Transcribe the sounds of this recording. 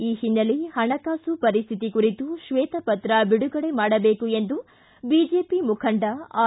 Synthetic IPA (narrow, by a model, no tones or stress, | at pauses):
iːɦinːɐlihɐɳɐkaːsupɐɾist̪ʰit̪ikuɾit̪uʃʋɛːt̪ɐpɐt̪ɾɐbiɽuɡɐɽe̞maːɽɐbeːkue̞nd̪u | biːd͡ʒeːpimukʰɐɳɖɐaː